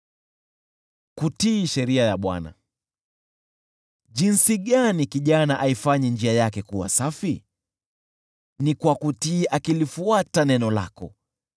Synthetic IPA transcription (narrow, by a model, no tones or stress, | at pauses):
kutiːʃɛɾiajaɓwa̰na̰ | ʄinsiɠanikiʄanaʔaifaɲɛnd͡ʒiajakɛkuwa̰safi | nikwakutiːʔakilifuatanɛnɔla̰kɔ̰